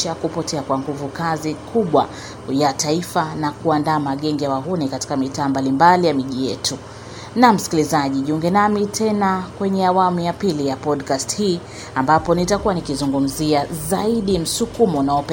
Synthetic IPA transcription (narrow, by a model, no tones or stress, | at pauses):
akupɔtɛakwaŋɡuvukazikʰuɓwa | jataifanakuandaːmaɠɛŋɡijawaɦunikati̥kamitaːmbalimbalijamiʄijɛtʰu | nam̩si̥kilizaʄiʄuŋɡɛnamitʰɛnakwɛɲɛawamujapilijapɔdkasthiː | ambapɔnitakuwanikizuŋɡum̩ziazaiɗim̩sukumɔunaɔpɛ